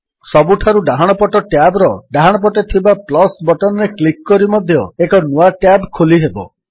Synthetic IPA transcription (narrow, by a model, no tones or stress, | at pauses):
sɔbuʈʰaɾuɖaɦaɽ̃ɔpɔʈɔʈjabɾɔɖaɦaɽ̃ɔp̬ɔʈet̪ʰibaplɔsbɔʈɔnɔɾeklikːɔɾimɔd̪ʱjɔekɔnuaʈjabkʰoliɦebɔ